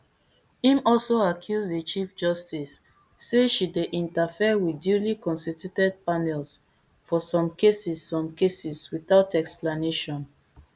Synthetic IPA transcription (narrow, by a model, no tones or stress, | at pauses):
hĩmɔlsoakʰjuzdət͡ʃifd͡ʒɔstisː | eʃideʔĩntafiəwidjulikɔ̃nstitutɛd̚panɛls | fɔsɔ̃mkesisːɔ̃mkesiswiθaʊtɛksplaneʃɔ̃n